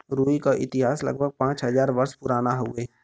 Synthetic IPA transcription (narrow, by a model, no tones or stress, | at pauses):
ɾuːikaʔɪt̪ɪɦaːslɐ̰ɡ̚bʱəɡ̚pãːt͡ʃɦəzaːɾʋəɾspʊɾaːnaɦʊeː